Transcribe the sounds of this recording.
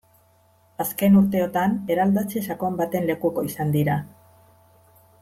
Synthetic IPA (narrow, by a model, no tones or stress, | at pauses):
aske̞nuɾt̪e̞ot̪ane̞ɾald̪at͡sesakoambat̪e̞nle̞kuko̞isand̪iɾa